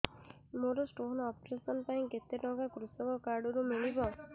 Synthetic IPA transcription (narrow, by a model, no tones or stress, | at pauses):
moɾɔsʈoɦnɔp̚ɾesɔnpaĩket̪ːeʈɔ̃ɡakɾusɔkɔkaɾɖuɾumiɭibɔ